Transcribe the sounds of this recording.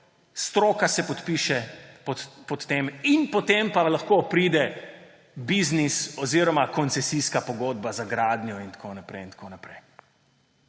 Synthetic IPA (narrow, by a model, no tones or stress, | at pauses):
st̪ɾoːkasɛpɔt̪piʃɛ | pɔt̪ːeminpɔt̪empalaxkoːpɾiːd̪ɛ | biznisɔziɾɔmakɔnt̪sɛsiskapɔɡoːd̪bazaɡɾaːd̪njɔint̪ḁkʰoːnapɾɛ̰jint̪ḁkʰonapɾɛj